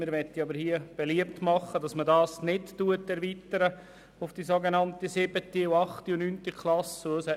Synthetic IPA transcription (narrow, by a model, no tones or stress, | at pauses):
mɪɾʋɛtːiɑbəɾhiəb̥ɛliəp̚tmɑχːədɑsmədɑːsnɪtːuətːɛɾvit̪əɾə | ʊfd̥iːsoɡenɑntisɪbətiuɑχtiunyntikʰlɑsusɛ